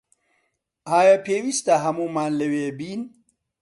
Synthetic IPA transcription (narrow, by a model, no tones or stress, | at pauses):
aːjapʰeːwist̪aɦɐmuːmaːnlɐwebiːn